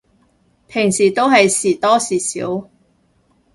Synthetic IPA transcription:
pʰɪ˨˩ŋsiː˨˩t̪o˥wɦɐ˨jsiː˨˩t̪ɔː˥siː˨˩sḭː˨˥w

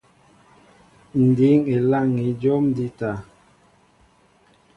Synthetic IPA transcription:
n̩˨di˨˦ŋe˨la˦˨ŋi˨˦d͡ʒo˦mdi˦ta˨

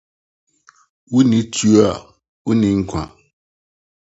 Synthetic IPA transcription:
wu˦nĩ˨˦tʰu˦a˦˨ | wu˦nɪ̃˨ŋ̩˦kʷʰã̰˨

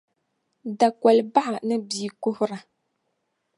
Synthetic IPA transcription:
da˨kʷa˨lba˦ʔa˨nɨ˦biː˨˦kʊ˦hʊ˦ɾa˨

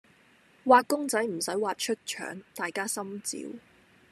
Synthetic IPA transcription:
waː˧t̚kʊ˥ŋt͡sɐ˨˥jm̩˨˩sɐ˨˥jwaː˨t̚t͡ʃʰɵ˥t̚t͡ʃʰœ̰ː˨˥ŋt̪aː˨jkaː˥sɐ˥mt͡sḭː˨˧˥w

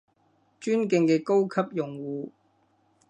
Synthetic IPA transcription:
t͡ʃyː˥nkɪ˧ŋkɛː˧ko˥wkʰɐ˥p̚jʊ˨ŋwuː˨˧

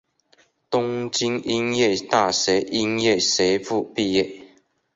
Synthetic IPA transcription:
t̪ʊ˦ŋt͡ɕi˥ŋi˦ŋjɛ˥˨t̪a˥˧˨se˨˦ʔi˦˥ŋje˥˨se˨˦fu˥˧pi˥˧˨jɛ˥˨

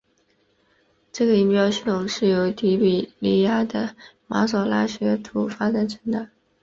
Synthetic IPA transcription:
ʈ͡ʂɤ˥˩ɡə˩i˧˥˩pjɑ˥ʊɕi˥˩ʊ˨˩ŋʂɻ̩˥˩jo˧˥ʊt̪i˧˥pi˨˩li˧˥ja˥d̪ə˨ma̰˧˥sɔ˨˩la˥ɕɥɛ˧˥t̪ʰu˨˩fa˥d̪a˨˥nʈ͡ʂʰə˧˥ŋd̪ə˥˩˦

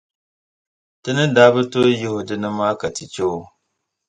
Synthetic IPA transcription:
tɨ˦nɨ˦daː˦bɨ˦to˦ji˦hʊ˨dɨ˦nɨ˦maː˦ka˨tɨ˨t͡ʃo˦

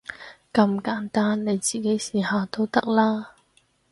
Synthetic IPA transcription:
kɐ˧mkaː˨˥nt̪aː˥nːe˨˧jt͡siː˨ke˨˥jsiː˨˩haː˨˧t̪o˥wt̪ɐ˥k̚laː˥

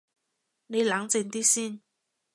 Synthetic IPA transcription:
ne˨˧˩la˨˦ŋt͡se˨˧˩nt̪i˥si˥˨n

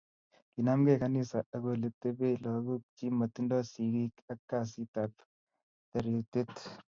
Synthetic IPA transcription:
ki˨na˦mɡeka˦ni˦sa˨ɐ˨ɡo˨le˨t̪ːe˦be˦lɔ˨ɡu˦k̚t͡ʃi˦mɐ˨t̪ːi˦ndɔ˦si˨ɡi˦kɐ˦kːa˨s̬i˦t̪ap | t̪ɐ˨ɾet̪e˦t̪

